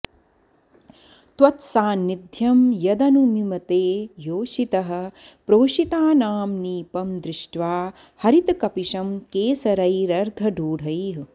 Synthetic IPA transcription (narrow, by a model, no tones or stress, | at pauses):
t̪ʋɐt̪saːnːid̪ʱjɐmjɐd̪ɐnumimɐt̪eːjoːʃit̪ɐɦɐ̆ | pɾoːʃit̪aːnaːmniːpɐmd̪ɾɪʂʈʋaː | hɐɾit̪ɐkɐpiʃɐmkeːsɐɾɐjɾɐɾd̪ʱɐɖʱuːɽʱɐjɦ